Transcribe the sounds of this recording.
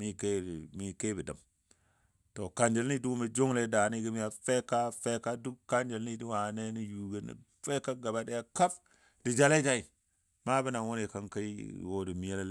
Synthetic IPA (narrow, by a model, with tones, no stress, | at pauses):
mi˦ke˦˨mi˦ke˦bi˨da̰˨m | to˨ka˨nd͡ʒe˨lni˦du˦me˦d͡ʒo˦ŋle˦da˨ni˦ɡi˦mi˦ja˨fe˦ka˦fe˦ka˦du˦kkːa˦nd͡ʒe˨li˦di˦wa˨ne˦ni˦ju˨ɡe˦nḭ˨ | fe˦ka˦ɡa˨ba˦de˦a˦ka˦f | di˨d͡ʒa˦la˦ta˦i˨ | ma˦bi˦na˨wo˦ne˨ka˦ŋka˦i˦˨wo˦di˨mi˨e˦ll